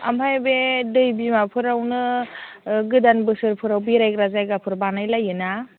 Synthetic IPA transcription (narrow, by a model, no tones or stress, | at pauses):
a̰mpʰajbedɯjbimapʰɯɾawnɯ | ɡɯdanbɯsɯɾpʰɯɾawbiɾajɡɾazajɡapʰɯɾbanajlajɯna